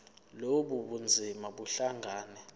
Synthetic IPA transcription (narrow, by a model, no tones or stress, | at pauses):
loɓuɓund͡zʱimaɓuɬaŋɡʱaːnɛ